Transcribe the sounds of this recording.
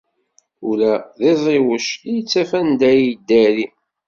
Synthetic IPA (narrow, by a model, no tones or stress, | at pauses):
ʊlæðɪðˤɪwəʃijət͡sːæfænd̪æjd̪ːæɾi